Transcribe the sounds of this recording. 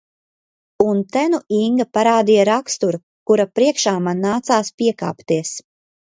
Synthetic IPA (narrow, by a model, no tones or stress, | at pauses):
unt̪ænuʔiŋɡapaɾaːd̪ijaɾakst̪uɾu | kuɾapɾiɛkʃaːmanːaːt̪saːspiɛka̰ːpt̪iɛs